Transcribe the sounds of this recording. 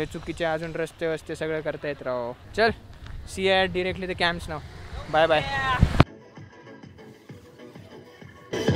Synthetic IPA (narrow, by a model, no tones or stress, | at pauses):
et͡sukːit͡ɕead͡zuːnɾɐst̪eʋəst̪esəɡɭekəɾt̪aet̪ɾaot͡ɕɐlsieɖiɾek̚ʈlit̪ekæ̃msnawbajbaj